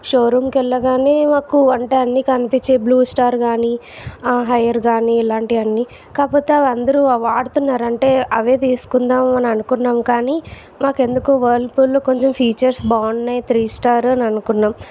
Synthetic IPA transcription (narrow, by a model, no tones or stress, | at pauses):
ʃoːɾuːmkɛlːɐɡaːneːmaːkuɐɳʈeɐnːikɐnipit͡ʃːeːbluːsʈaːɾɡaːni | ɦɐjɐɾɡaːniːlaːɳʈiɐnːi | kaːpoːt̪ːeɐʋɐnd̪ɐɾuɐʋaːɽut̪unːaːɾɐɳʈe̞ːɐʋe̞ːt̪iːsu̥kund̪aːmmɐnɐmɐnukunːaːmkaːni | maːke̞nd̪ukuːʋɐlpulːoːko̞ɲt͡ʃempʰiːt͡ʃɐɾsbaːnnejt̪ɾiːsʈaːɾɐnɐnukunːaːm